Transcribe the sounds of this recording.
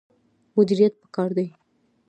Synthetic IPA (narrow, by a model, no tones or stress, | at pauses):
mʊd̪iɾijat̪̚pə̥kɑɾd̪aj